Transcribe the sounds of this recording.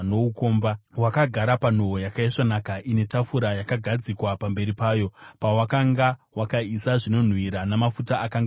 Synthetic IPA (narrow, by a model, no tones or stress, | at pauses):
nouko̞ːmbawakaɡʱaɾapan̤oojakaiʂanakaʔine̞tafuɾajakaɡʱad͡zikwapambe̞ɾipaːjo̞pawakaŋɡawakaisaʐino̞n̤wiɾanamafutaʔakaŋɡ